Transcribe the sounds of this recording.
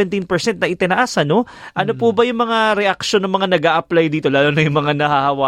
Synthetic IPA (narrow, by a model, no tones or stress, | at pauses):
ɛnt̪inpɛɹsɛnt̪nɐʔɪt̪ɪnɐʔasɐno̞ʔɐno̞pubɐjʊŋmɐŋaɾɛʔak̚ʃonɐŋmɐŋanɐɡaːʔɐplajd̪iːt̪o̞laːlonɐjʊŋmɐŋanɐhahɐwa